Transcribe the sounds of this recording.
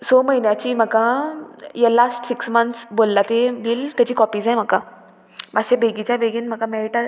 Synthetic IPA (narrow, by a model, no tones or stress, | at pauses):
soməɦinjat͡ɕiːm̤əka | jalasʈsiksmənt̪sbolːat̪ebiːlt̪at͡ɕiːkɔpiːd͡zajm̤əka | maɕebʱeɡit͡ɕjabeɡiːnm̤əkamɛɭiʈa